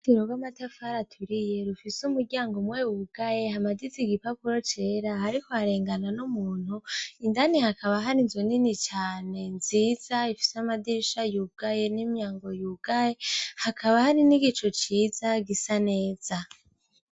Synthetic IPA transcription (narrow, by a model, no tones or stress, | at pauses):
tiɾoɡwamatafaɾatʰuɾije̞ɾufisumuɾɟaːŋɡomwewuɡ̥aje̞hamadiziɡipapuɾo̞t͡ʃe̞ːɾahaɾikoaɾe̞ːŋɡananumuːn̥huindanihakaβaɦaɾinzoninit͡ʃaːne̞nziːz̥aifi̥seamadiɾiʃajuɡ̥aje̞nimjaːŋɡo̞juɡ̥ajehakʰaβahaɾiniɡit͡ʃot͡ʃiːzaɡisane̞ːz̥a